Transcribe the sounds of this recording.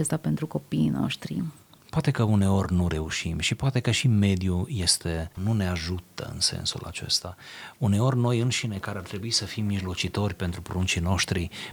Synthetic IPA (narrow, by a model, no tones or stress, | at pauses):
est̪ape̞nt̪ɾuko̞piːno̰ʃt̪ɾḭ | poat̪e̞kəune̞o̞rʲnuɾe̞uʃimʃipoat̪e̞kəʃime̞d̪juje̞st̪e̞nune̞aʒut̪ə̰ɨ̰nsḛnsṵla̰t͡ʃe̞̰st̪aune̞o̞rʲno̞jɨnʃine̞kaɾeart̪ɾe̞buisəfimːiʒlo̞t͡ʃit̪o̞rʲpe̞nt̪ɾupoɾunt͡ʃino̞ʃt̪ɾi